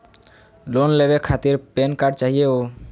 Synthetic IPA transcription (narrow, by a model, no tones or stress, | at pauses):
lonlebekʰat̪iɾpenkaɾɖt͡ʃaɦijeo